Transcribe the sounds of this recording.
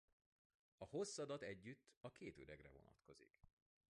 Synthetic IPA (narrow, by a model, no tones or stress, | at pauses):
ɒho̞sːɒd̪ɒt̪ɛɟːyt̪ːɒkeːt̪øɾɛɡrɛ̰vo̞̰nɒ̰t̪ko̞zḭk